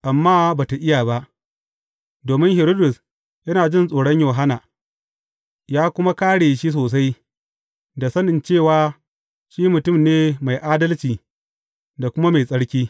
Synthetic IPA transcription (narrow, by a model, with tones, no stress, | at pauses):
ʔa˨mːaː˦baː˨ta˨ʔɪ˦jaː˨ba˦ʔ | doː˨mɪ˦ŋhɪ˨ɾoː˦dʊ˨s | jɐ˦naː˨d͡ʒɪ˦˨nsʼoː˨ɽɐ˦ɲjoː˨ɦa˦naː˨ | jaː˦kʷʊ˦ma˦kaː˦ɽeː˨ʃi˦s̬oː˨s̬a˦j | da˨sɐ˦nɪ˨nt͡ʃeː˦˨waː˨ | ʃiː˦mʊ˨tʊ˦˨mneː˦ma˨jʔaː˦dɐ˦lt͡ʃiː˨ | da˨kʷʊ˦ma˦ma˨jsʼɐ˦ɽkʲiː˦